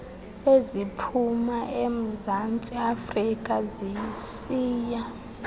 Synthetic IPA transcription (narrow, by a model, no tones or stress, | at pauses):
ezipʰumaʔem̩zant͡sʼiafrikʼazijisiːja